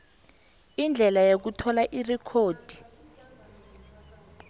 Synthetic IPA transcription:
ind͡ɮʱɛlajok̬utʰɔlaʔirɛkʰoːd̥ʱi̥

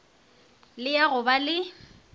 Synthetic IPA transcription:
lɪjaɣʊbalɪ

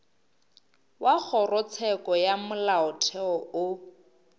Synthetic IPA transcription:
wak͡xʰɔrɔt͡sʰɛkʼɔjamʊlaʊtʰɛɔʊ

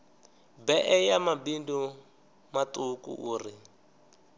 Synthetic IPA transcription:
bɛʔɛjamabindu | matʼukṵʔuːri

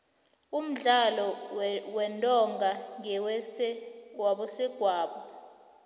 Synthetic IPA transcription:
um̩ɮalɔwɛntʼɔŋɡʱaŋɛwɛsɛwaɓɔsɛɡ̥ʱwaːɓɔ

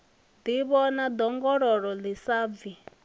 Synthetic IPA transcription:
d̪iβɔnad̪ɔŋɡɔɾɔɺɔlisaːvi

